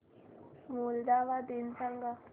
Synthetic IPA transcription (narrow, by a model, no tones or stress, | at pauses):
muld̪aːʋad̪insaŋɡa